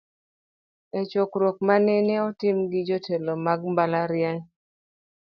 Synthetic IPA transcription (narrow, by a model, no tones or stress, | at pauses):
et͡ʃokɾok̚manɛnɛɔtɪmɡɪd͡ʒotelomaɡmbalaɾjɛŋ